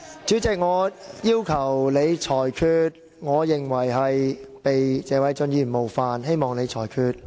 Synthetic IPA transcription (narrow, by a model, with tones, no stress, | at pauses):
t͡syː˨˥t͡sɪ˨k̚ŋɔː˨˧jiː˥wkʰɐ˨˩wle˨˧jt͡ʃʰɔː˨˩jkʰyː˧t̚ | ŋɔː˨˧jɪ˨˩ŋwɐ˨˩jɦɐ˨jpe˨jt͡sɛː˨˧wɐ˨˥jt͡sɵ˧njyː˨˩nmo˨˩wfaː˨˧nɦe˥jmɔː˨˩ŋle˨˧jt͡ʃʰɔː˨˩jkʰyː˧t̚